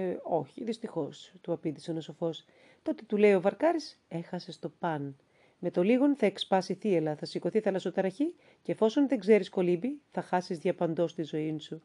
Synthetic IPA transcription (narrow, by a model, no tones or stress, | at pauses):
o̞çiðist̪ixo̞st̪uɐpind̪isenosofo̞s | t̪o̞t̪e̞̥t̪ule̞io̞vɐɾkɐɾise̞xɐse̞st̪o̞pɐn | me̞t̪o̞liɣo̞nθɐe̞kspɐsiθielɐθɐsiko̞θiθɐlɐsot̪ɐɾɐçi | cːfo̞so̞nðeŋɡze̞ɾisko̞libiθɐxɐsizðʝɐpɐnd̪o̞st̪izo̞insu